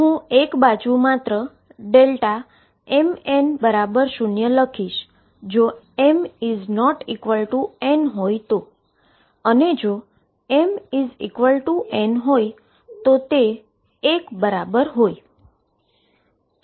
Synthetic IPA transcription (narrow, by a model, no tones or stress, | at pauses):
ɦũekbad͡ʒumat̪ɾə | ɖelʈa | ɛmenbəɾabəɾʃunjələkʰiʃ | d͡ʒo | emiznɔʈikʋəlʈuenɦojt̪o | əned͡ʒo | ɛmizḭkʋəlʈuʔenɦoj | t̪ot̪eː | kbəɾabəɾɦoj